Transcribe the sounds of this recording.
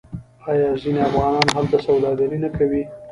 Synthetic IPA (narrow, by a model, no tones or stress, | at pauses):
ɑjɑzineafɣɑnɑnoɦalt̪asawd̪ɑd̪aɾinakawi